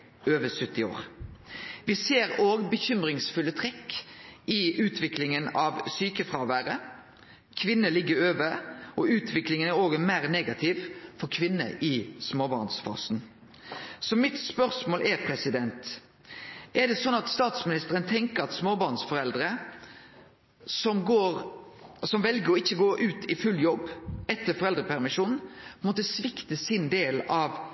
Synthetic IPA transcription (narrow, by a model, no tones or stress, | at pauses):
øːʋəsœt̪ːɪo̰ːʁ | ʋɪseːɾoːɡbəçʏmɾɪŋsfʉlːət̪ʰʁɛkː | ɪʉːt̪ʰʋɪklɪŋənɑʋsyːkəfʁɑːʋæːɾə | kʰʋɪnːəlɪɡːəɾøːʋəɔʉːt̪ʰʋɪklɪŋənæɾoːɡəmæːʁneːɡɑt̪ʰɪʋfɔʁkʰʋɪnːə̰ʔɪsmoːbɑʁnsfɑ̰ːsn | sɔmɪt̪spœʁsmoːlʔɛɾpʰɾɛsɪd̪ɛnt̪ | ʔɛd̪ɛsɔnːɑt̪st̪ɑːt̪smɪnɪst̪əʁənt̪ʰɛŋkəɾɑt̪smoːbɑʁnsfɔɾɛld̪ɾə | sɔmɡoːɾsɔmʋɛlɡəɾɔɪçːəɡoːʔʉːt̪ʰɪfʉljɔbːɛt̪ːəɾfɔʁɛld̪ɾəpʰæɾmɪʂuːnn̩pmoːt̪əsʋɪkt̪əsɪnd̪eːlɑʋ